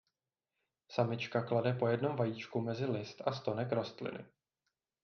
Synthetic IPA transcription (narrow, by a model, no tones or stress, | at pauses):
samɪt͡ʃkakladɛpo̞jɛdno̞mvajiːt͡ʃkumɛzɪlɪst̪ʔast̪o̞nɛkɾo̞st̪lɪ̰nɪ̰